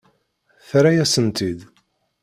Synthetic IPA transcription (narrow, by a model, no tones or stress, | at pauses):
θɾæjæsənt̪id̪